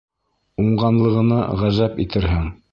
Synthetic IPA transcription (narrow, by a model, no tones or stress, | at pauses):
uɴɢɑnlˠɤ̆ʁɤ̆nɤ̰ʁæzæpit̪ɘɾɦɘŋ